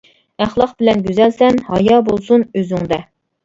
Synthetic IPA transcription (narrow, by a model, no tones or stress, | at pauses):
æχlˠɑqbɪlɛnɡʲyzɛlsɛnhɑjɑːbolˠsunøzyŋd̪ɛ